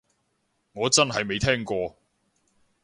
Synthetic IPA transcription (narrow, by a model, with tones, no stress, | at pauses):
ŋɔː˨˧t͡sɐ˥nɦɐ˨jme˨˧jt̪ʰɛː˥ŋkɔː˧